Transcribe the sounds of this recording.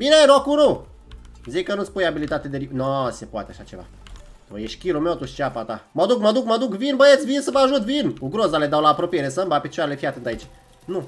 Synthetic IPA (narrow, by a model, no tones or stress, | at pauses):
mineɾokuɾu | zikːənut̪sʲpujabilit̪at̪ed̪eɾinosepoat̪ea̰ʃat͡ʃe̞va̰ | o̰jeʃkʲilomewt̪uʃt͡ʃeapat̪a̰məd̪ukməd̪ukməd̪ukvinbəjet̪sʲvinsəvəaʒut̪vinuɡɾozaled̪awlaːpɾopijeɾesəmbapit͡ʃoaɾelefiat̪ɨnt̪ait͡ʃ | nu